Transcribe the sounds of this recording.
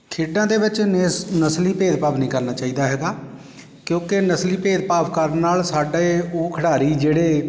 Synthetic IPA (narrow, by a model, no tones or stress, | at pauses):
kʰeːɖãːd̪eːʋɪt͡ʃnəsliːpeːd̪paːpnĩːkəɾnaːt͡ʃaːiːd̪aːɦɛːɡaː | kjõːkenəsliːpeːd̪paːpʰkəɾnːaːlsaːɖaeoːkʰəɽaːɾiːd͡ʒeːɽeː